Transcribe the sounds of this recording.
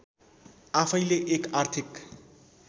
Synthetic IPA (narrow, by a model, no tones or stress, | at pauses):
apʰʌjleʔekart̪ʰik